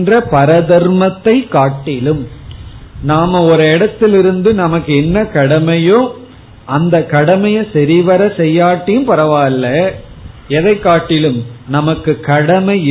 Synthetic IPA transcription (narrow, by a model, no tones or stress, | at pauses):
ndrɐpɐɾɐðɐɾmɐt̪ːɐɪkːaːʈːɪlɯm | naːmɐɔɾɯɛɽɐt̪ːɪlɪɾɯnd̪ɯnɐmɐkːɯɛnːɐkɐɽɐmɐjõː | ʔɐnd̪ɐkɐɽɐmɐjɐsɛɾiʋɐɾɐsɛjːaːʈːɪjɯmpɐɾɐʋaːɪlːɐ | ɛðɐɪkːaːʈːɪlɯmnɐmɐkːɯkɐɽɐmɐɪ